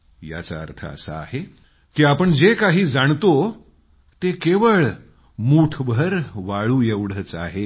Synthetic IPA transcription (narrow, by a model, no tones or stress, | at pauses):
ja̰t͡sa̰ə̰ɾt̪ʰə̰ə̰sa̰a̰ɦe | kiːapəɳd͡zekaɦiːd͡zaɳt̪o | t̪ekeʋəɭ | muʈʰʋʱəɾʋaɭuːjeʋɽ̤ət͡sa̰ɦe